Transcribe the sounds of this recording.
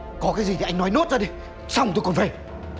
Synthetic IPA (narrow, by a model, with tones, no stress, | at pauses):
kɔ˨˦kaː˨˦jzi˨˩i˨˩ʔa˧jŋnɔ˨˦jno˦˥t̚zaː˧˩ɗi˨˩ | sa˧wŋ͡mt̪o˧jkɔ˨˩nfaː˨˦j